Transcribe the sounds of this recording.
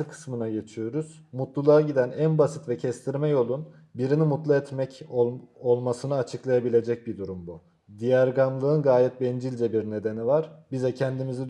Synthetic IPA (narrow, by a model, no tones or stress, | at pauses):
ɯkʰɯ̥smɯnaɟe̞t͡ʃʰijo̞ɾuz̥ | mut̪lˠulˠaaɟid̪ænænbasit̪vɛcʰɛst̪ʰiɾmɛjo̞lˠun | biɾinimut̪lˠaɛt̪mɛc | o̞lˠmasɯnɯat͡ʃʰɯklˠajabilʲe̞d͡ʒɛc̚bid̪uɾumbu | d̪ijæɾɡamlˠɯɯnɡaːjɛt̪̚bɛnd͡ʒilʲd͡ʒɛbiɾne̞d̪enivaɾ̥bizɛcʰɛnd̪imizi